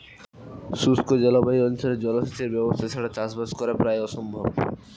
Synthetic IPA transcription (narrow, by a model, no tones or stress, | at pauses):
ʃuskod͡ʑɔlobaiɔnt͡ɕʰoled͡ʑɔloʃat̪ɾiɾbɛbost̪ʰat͡ɕʰaɽat͡ɕasbaskɔɾapɾaeɔʃombʱob